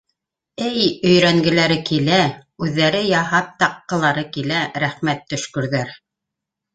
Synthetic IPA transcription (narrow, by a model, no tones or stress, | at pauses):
ɘjɵ̆jɾæŋɡɘ̆læɾɘkilæʉðːæɾɘjɑɦɑp̚t̪ɑqːɤ̆lˠɑɾɤkilæɾæχmæt̪ːɵ̆ʃkɵ̆ɾðæɾ